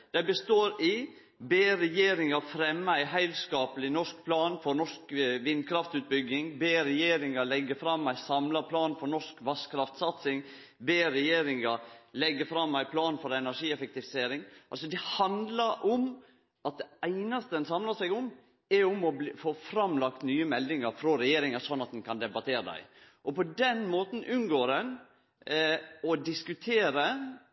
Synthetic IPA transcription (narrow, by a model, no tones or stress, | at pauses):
d̪̥æɪbəst̪oːɾɪ | beːɾɛjeːɾɪŋɑfɾɛmːəæɪɦæɪlskɑːpəlɪnɔʂk̚pʰlɑːnfɔɾnɔʂkʋɪnd̪̚kʰɾɑft̪ʉːt̪̚bʏɡːɪŋbeːɾɛjeːɾɪŋɑlɛɡːəfɾɑmːæɪsɑmlɑpʰlɑːnfɔɾnɔʂkʋɑskʰɾɑft̪sɑt̪sɪŋ | beːɾɛjeːɾɪŋɑɾlɛɡːəfɾɑmːæɪpʰlɑːnfɔɾɛnæʂiːɛfɛk̚t̪ɪfɪ̥seːɾɪŋʔɑlsɔd̪ɛhɑnd̪lɑɾɔm | ʔɑt̪̚d̪ɛæɪnɑst̪əɛnsɑmlɑsæɪɡʊm | ɛɾɔmɔb̪foːfɾɑmlɑk̚t̪nyːəmɛlːɪŋɑɾfɾɔɾɛjeːɾɪŋɑsɔnːɑt̪̚d̪ɛnkʰɑnd̪ɛbɑt̪ʰeːɾəd̪æ̰ɪ | ʔɔpɔd̪ɛnmoːt̪n̩ʔʉnɡoːɾɛn | ɔd̪ɪskʉt̪ʰeːɾə